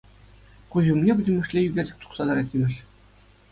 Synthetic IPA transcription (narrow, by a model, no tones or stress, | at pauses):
χuʑumnʲebɘ̆d̪ʲɘ̆mɘ̆ʂlʲejyɡʲĕrdʲɘ̆k̚t̪u̥qsɑd̪ɑɾɑt̪ʲimʲɘ̆ʃ